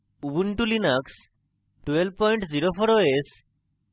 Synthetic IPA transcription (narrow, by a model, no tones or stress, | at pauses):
ubuɳʈulinaks | ʈwelb̚pɔjɳʈziɾofʰɔɾoes